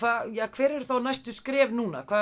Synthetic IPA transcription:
vaːjakʰvɛːɾɛɾ̥θawnajst̪ʏskɾɛːvnuːna̰kʰv̥aː

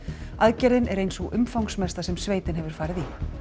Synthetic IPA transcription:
aðcɛɾðɪnɛɾejnsɔɣʏ̰mfawŋksmɛst̪asɛmsveːjt̪ɪnɦɛvʏɾ̥faːɾɪði

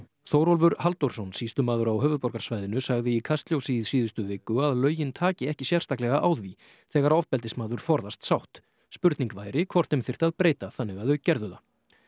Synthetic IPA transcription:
θowɾɔlvʏɾhalt̪oɾ̥sɔnsiːst̪ʏmaːðʏɾawɦœːvʏðpɔɾkaɾsvajðɪnʏsaɣðɪikʰast̪ljowsiðsiːðʏst̪ʏvɪːkːʏaðlœːɥjɪnt̪ʰaːcɪɛhcɪsjɛr̥st̪aklɛɣaʔaːwðvi | θɛːɣaɾɔvpɛlt̪̬ɪsmaːðʏɾ̥fɔɾðast̪sawht̪ | spʏɾt̪niŋkvaːjɾɪkʰvɔr̥t̪ʏmθɪr̥t̪aðpɾeːjt̪aθanːɪɣaðʏcɛɾðʏða

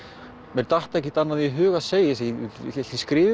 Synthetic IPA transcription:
mɛɾt̪aht̪aɛhcɪt̪anːaðiɛɦʏːɣaðseːjɪsɛiskɾɪːvɪ

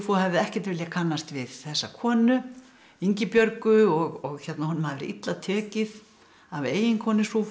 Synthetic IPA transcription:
fuhɛvðɪɛhcɛ̥ɾ̥t̪vɪljakʰanːast̪vɪðθɛsːakʰɔːnʏ | iɲcɪpjœɾkʏɔɣɔɣçɛt̪nahɔnʏmhaðvɛɾɪ̰ʔḭt̪lat̪ʰœːcɪð | aveːjɪŋkʰɔːnɪsu

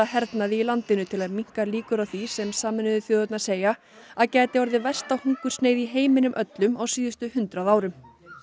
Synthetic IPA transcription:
aɦɛɾt̪naðɪilant̪ɪnʏt̪ʰɪlaðmiŋ̥kaliːkʏɾawθisɛmsaːmɪnʏðʏθjɔːðʏt̪naɾ̥seːja | aðcɛːt̪ɪɔɾðɪvɛ̥st̪awhuŋkʏ̥sneːjðiɦeːjmɪnʏmʔœt̪lʏmawsiːðʏst̪ʏhʏnt̪ɾaðaːwɾʏm

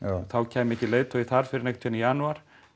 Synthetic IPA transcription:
θawcʰɛːmɛhcːɪleːjt̪ʰɔiθaɾ̥fɪɾɪɾnekt̪ʰinijaːnuaɾ̥

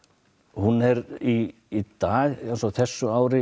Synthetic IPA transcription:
hunːɛɾiː | t̪aːðɛnsɔɣθɛsːʏaːwɾɪ

